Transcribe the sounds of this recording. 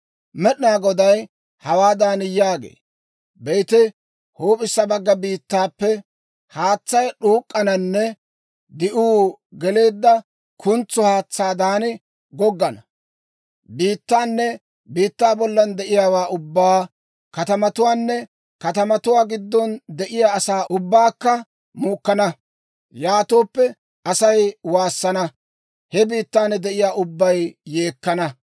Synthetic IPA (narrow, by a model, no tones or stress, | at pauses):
mɛɗnaːɡɔd̪ɐj | hɐwaːd̪aːnɪjaːɡḛː | bɛjt̪ɪ | hoːpʼɪsːɐbɐɡːɐbiːt̪ːaːpːɛ | haːt͡sːɐjɗuːkʼːɐnɐnːɛ | d̪ɪʔuːɡɛle̞ːd̪ːɐ | kʰʊnt͡sːɔhaːt͡sːaːd̪aːnɪ | ɡɔɡːɐnɐ | biːt̪ːaːnːɛ | biːt̪ːaːbɔlːɐnd̪ɛʔɪjaːwaːʔʊbːaː | kɐt̪ɐmɐt̪ʊwaːnːɛ | kɐt̪ɐmɐt̪ʊwaːɡɪd̪ːɔnd̪ɛʔɪjaːɐsaːʔʊbːaːkːɐ | muːkːɐnɐ | jaːt̪oːpːɛ | ɐsɐjwaːsːɐnɐ | hɛbiːt̪ːaːnɛd̪ɛʔɪjaːʔʊbːɐjːeːkːɐnɐ